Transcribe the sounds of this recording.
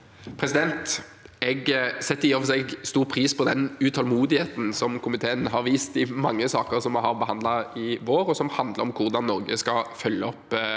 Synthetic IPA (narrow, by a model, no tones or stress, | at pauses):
pʰɾɛsɪd̪ɛnt̪ɛɡsɛt̪ːəjɔfɔsɛɡst̪uːʁpʰɾiːspʰɔd̪ɛnʉt̪ʰɑlmuːd̪ɪheːt̪n̩sɔmkʰʊmɪt̪ʰeːənɦɑɾʋiːst̪ɪmɑŋːəsɑːkəɾsɔmɦɑʁbəɦɑnd̪lɑɪʋoːɾɔsɔmhɑnd̪ləɾɔmkʰʊʁd̪ɑnːɔɾɡəskɑfœljəɔpː